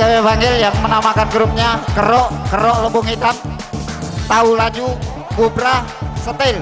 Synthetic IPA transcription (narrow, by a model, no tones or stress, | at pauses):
awɛvaŋɡɪljaŋmənamakanɡɾup̚ɲakəɾɔʔkəɾɔʔlobɔŋit̪an | t̪aulad͡ʒu | kubɾa | sət̪el